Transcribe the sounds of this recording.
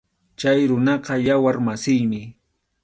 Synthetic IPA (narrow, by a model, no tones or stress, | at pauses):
t͡ʃajɾʊnɑqɑjawaɾmasɪjmɪ